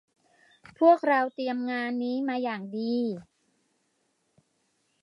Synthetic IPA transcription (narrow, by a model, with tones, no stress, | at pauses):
pʰu˥˩ək̚ɾa˧wt̪i˧əmŋaː˧nːiː˦˥maː˧jaː˨˩ŋdiː˧